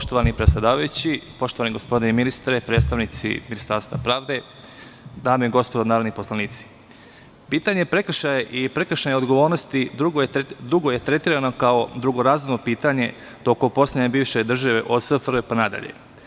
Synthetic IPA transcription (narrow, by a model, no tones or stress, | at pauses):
poʃt̪oʋanipɾesʲˠed̪aːʋajut͡ɕipo̞ʃt̪oʋaniɡo̞spo̞d̪ineminist̪ɾepɾet̪st̪aʋnit̪sḭminist̪aɾst̪ʋapɾaːʋd̪e̞ | d̪aːmeiɡospod̪onaːɾo̞d̪nipo̞slˠaniːt̪si̥ | piːt̪aɲe̞pɾe̞k̩ʃajeʔipɾekɾəʃaɲeod̪ɡo̞ʋo̞ːɾnost̪id̪ɾuɡod̪ɾuɡo̞je̞t̪ɾe̞t̪iːɾano̞kao̞d̪ɾuɡo̞ɾazumnopiːt̪aɲe̞ | t̪o̞kompo̞sledɲebiːʋʃe̞d̪r̩ʒaʋeʔosəfɾepanad̪a̰ʎḛ